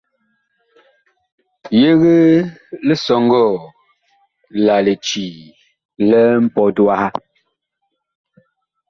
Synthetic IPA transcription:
je˦ɣə˦lə˦sɔ˨ŋ˦ɡɔ˦˨ | la˨le˨t͡ʃi˨ | lɛ˦m̩˦pɔ˨dwa˦ha˦

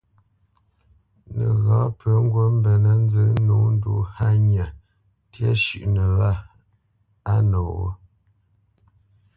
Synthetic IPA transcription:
nə˨ɣɔ˨˦pə˨˦ŋ̩˦ɡwo˦m̩˦bə˨nə˦n˦zə˦nu˨˦n˦dṵ˨˦ha˦ɲa˨ | tjə˦ʃʉ˨ʔnə˨wa˦˨ | a˦nɔ˨wə̰˦

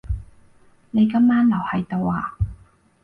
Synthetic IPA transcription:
ne˨˧jkɐ˥mːaː˥nlɐ˨˩whɐ˨˧jt̪o˨˧waː˨˧

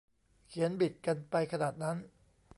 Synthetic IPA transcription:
kʰi˩˦ənbi˨˩t̪̚ka˧npa˧jkʰa˧naː˨˩t̪̚na˦˥n

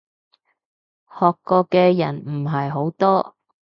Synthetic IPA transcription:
hɔː˨kːɔː˧kɛː˧jɐ˨˩nm̩˨˩ɦɐ˨jɦo˨˥wt̪ɔː˥

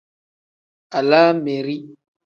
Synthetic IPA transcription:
a˨laː˦me˨ɾi˦

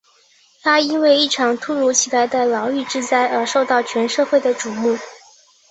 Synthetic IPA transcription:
t̪ʰa˥i˥nwe˥˧ɪi˥˩ʈ͡ʂʰɑ˨˩ŋt̪ʰu˥ɻu˧˥t͡ɕʰi˨˩la˧˥ɪd̪ə˧lɑ˧˥ʊy˥˧ʈ͡ʂɻ̩˥˧t͡sa˥ɪə˞˧˥ʂo˥˧ʊt̪ɑ˥˩ʊt͡ɕʰɥɛ˧˥nʂɤ˥˧xwe˥˩ɪd̪ə˩ʈ͡ʂu˨˩mu˥˩

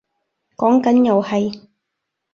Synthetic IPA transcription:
kɔː˨˥ŋkɐ˨˥njɐ˨whɐ˨j

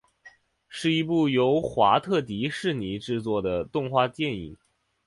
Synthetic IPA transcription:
ʂɻ̩˥˩i˧˥pu˥˩jo˧˥ʊxwa˧˥t̪ʰɤ˥˩t̪̬i˧˥ʂɻ̩˥˩ni˧˥ʈ͡ʂɻ̩˥˧t͡swɔ˥˩d̪ə˩t̪ʊ˥˧ŋxwa˥˧t͡ɕ̪jɛ˥˧nḭ˨˩ŋ

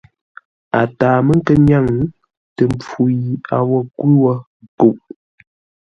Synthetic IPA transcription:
a˨taː˨mə˦ŋ̩˦kə˦ɲa˦˨ŋ | tə˨mp͡fu˨ji˨a˨wɔ˦˨kwʉ˦wɔ˦ | ko˨ʔ

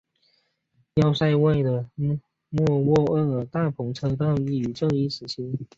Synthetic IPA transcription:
jɑ˥˧ʊsa˥˧ɪwe˥˩ɪd̪ə˩ | mwɔ˥˧wɔ˥˧ə˥˩ə˨˩t̪a˥˩pʰʊ˧˥ŋʈ͡ʂʰɤ˧˥ŋt̪ɑ˥˧ʊy˥˩y˨˩ʈ͡ʂɤ˥˧ŋi˥˩ʂɻ̩˨˩t͡ɕʰi˧˥ŋ

